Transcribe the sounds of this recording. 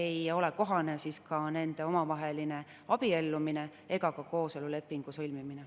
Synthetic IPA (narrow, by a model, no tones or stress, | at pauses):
ejo̞le̞ko̞ɦɑne̞siskɑne̞nd̪̥e̞o̞mɑvɑɦe̞line̞ | ɑb̥ie̞lːumine̞ | e̞ɡ̥ɑkɑko̞ːse̞lule̞pːiŋɡ̥usɤlʲmimine